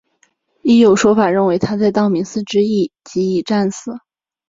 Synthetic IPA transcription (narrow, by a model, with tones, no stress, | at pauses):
i˥˩jo˨˩ʊʂwɔ˥ʊfa˨˩ɻə˥˩nwe˧˥ɪt̪ʰa˥t͡sa˥˧ɪt̪ɑ˥˩ʊmi˧˥ŋsɹ̩˥˧ʈ͡ʂɻ̩˥i˥˩t͡ɕi˧˥i˨˩ʈ͡ʂa˥˩nsɹ̩˨˩˦